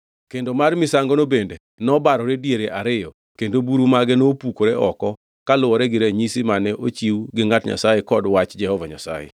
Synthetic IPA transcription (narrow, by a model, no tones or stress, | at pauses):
kendomarmɪsaŋɡonobende | nɔbaɾɔɾedjeɾeʔaɾɪjɔ | kendobuɾumaɡɛnopukoɾɛʔɔkɔ | kalʊwɔɾɛɡɪɾeɲisimanɛʔot͡ʃiwɡɪŋatɲa̰sajekɔdwat͡ʃd͡ʒɛhɔvaɲa̰sa̰jḛ